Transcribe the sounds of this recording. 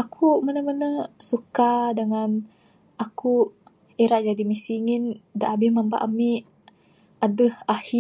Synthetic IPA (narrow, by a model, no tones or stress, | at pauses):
akʰumənəmənəsukadəŋan | aku | iɾaʔd͡ʒadimisiŋindaʔabɪhmamba̰ʔamiʔ | adəhahi